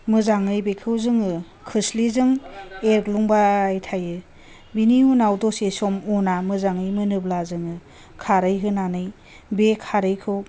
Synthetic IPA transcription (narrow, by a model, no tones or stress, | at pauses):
mɯzaŋɯjbekʰɯwzɯŋɯ | kʰɯslizɯŋeɾkluŋbajtʰajɯ | biniunawdɔsesɔmunamɯzaŋɯjmɯnɯblazɯŋɯ | kʰaɾɯjɦɯnanɯj | bekʰaɾɯjkʰɯw